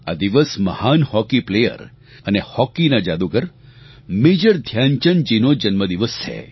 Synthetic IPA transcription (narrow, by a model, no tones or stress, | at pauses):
a̰d̪iʋəsməhanhɔkiplejə̰ɾ | ənehɔkinad͡ʒad̪uɡəɾ | med͡ʒəɾd̪ʱjaɲt͡ʃənd͡ʒinod͡ʒənməd̪iʋəst͡ʃʰḛ